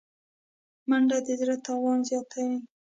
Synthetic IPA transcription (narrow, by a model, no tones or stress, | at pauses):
maɳɖad̪əd̪ɾat̪ɑwɑnzjɑt̪awi